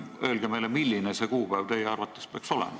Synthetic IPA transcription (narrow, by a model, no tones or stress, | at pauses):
øːlɡ̥emelemilːinesekuːpæjvt̪ejeɑrʋɑt̪ːˑespeɑˑkso̞lɛ̰mɑ